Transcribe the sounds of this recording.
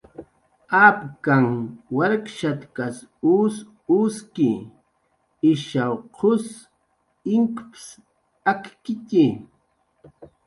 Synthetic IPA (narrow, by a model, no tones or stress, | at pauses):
apkaŋwaɾkʃat̪kasus | uskɪ | ɪʃawqʰʊs | ɪŋkps | akkɪti